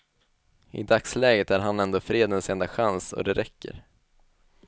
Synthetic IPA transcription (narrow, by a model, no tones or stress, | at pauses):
ɪ̰d̪akslɛːɡət̪æɾɦanɛnd̪oːfɾeːd̪ənsɛnd̪aɧansɔ̰d̪ɛɾɛkːə̰ɾ